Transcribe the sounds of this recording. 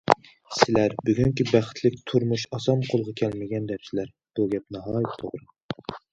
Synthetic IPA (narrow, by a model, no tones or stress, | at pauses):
sɪlæɾbyɡʲyŋkʲibæχɪ̥t̪ʰlɪkʲt̪ʰuɾmuʃɑsɑmqʰolˠʁɑkʲʰɛlmɪɡʲɛnd̪ɛpsɪlæɾ | b̥uɡʲɛpnɑɦɑːjt̪ʰːo̰ʁɾɨ